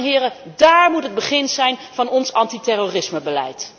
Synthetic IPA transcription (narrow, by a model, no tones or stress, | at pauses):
ɦɪːɾədaːɹmutɦəd̚bəχɪnzɛjnv̥ɑnɔnsɑntitɛroːrɪsməbəlɛ̰jt